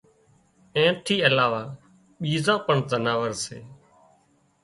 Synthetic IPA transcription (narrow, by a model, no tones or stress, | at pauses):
ẽːʈʰiːəlaːʋaː | ɓiːzãːpəɳzənaːʋəɾsḛː